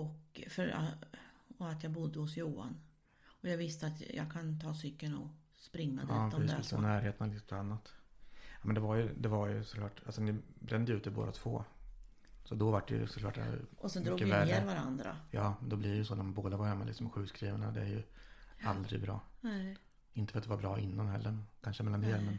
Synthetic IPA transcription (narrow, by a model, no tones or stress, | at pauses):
ɔkfœɾa | ɔat̪jɑɡbʊd̪ːəhʊsjuːa̰n | ɔjɑːɡvɪst̪əat̪jɑ̰ɡkʰant̪ʰɑːsʏkːənɔ | spɾɪŋːad̪ːd̪ɛɔnæːɾɦeːt̪ənalɪsʰanːat̪jamɛnd̪ɛvaɾjɵd̪ɛvaɾjɵsɔ̥kʰlɑːʈalsɔnɪbɾɛnd̪əjəʉ̟ːt̪ɪbo̰ːd̪at̪ʰv̥o̰ː | sɔd̪ɔvaʈːɛ̰jɵ̰sɔkʰlɑ̰ːʈːd̰ɔsɛnɾuɡkːəvɛlːɾvaɾa̰nd̪ɾa̰jɑːmnd̪ɔblɪɾɛjɵsɔːnæɾmanboːd̪avaɾhɛmːalɪksɔmɧʉ̟ːskɾiːvaɳad̪ɛæɾjɵald̪ɾɪ̰ɡbɾɑ̰ːn | ɪnt̪əfœɾat̪d̪ɛvaɾbɾɑːɪnːanɦɛlːəkʰanʂəmɛlːand̪eːɾmɛn